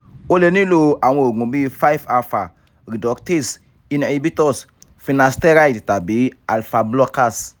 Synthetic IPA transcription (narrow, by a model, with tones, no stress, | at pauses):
o˦le˨nĩ˦lo˨a˨we˨o˨ɡũ˨bi˦fa˦jfa˨fa˨ | ɾi˨dɔ˨kte˦s | i˦na˨i˨˦bi˦tɔ˦s | fi˨na˨ste˦ɾa˦i˨tta˨bi˨˦a˨lfa˨blɔ˦ka˦˨s